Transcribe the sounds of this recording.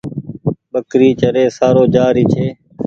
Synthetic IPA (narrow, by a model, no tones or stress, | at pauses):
ɓəkɾiːt͡ʃəɾeːsaːɾoːd͡ʒaːɾiːt͡ʃʰeː